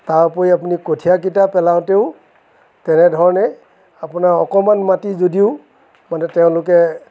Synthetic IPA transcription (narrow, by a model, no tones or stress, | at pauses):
taɹpoiapunikotʰijak̬itapɛlaʊ̃teʊ | tɛnɛdʱɔɹɔnɛ | apunaɹɔkɔmanmatizodiʊ | manɛtɛʊ̃lʊk̬ɛ